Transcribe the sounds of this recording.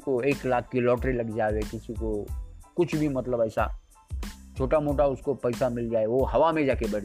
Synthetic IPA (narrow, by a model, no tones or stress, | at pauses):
koeːklaːkʰːilɔːʈɾilɐɡd͡ʒaːʋekɪsikokʊt͡ʃʰbʱimɐt̪ləbɐːsa̰ | t͡ʃʰoːʈamoːʈaʊskopɐɪsamɪld͡ʒaːeʋoɦɐʋamẽd͡ʒaːkebɐɽ̤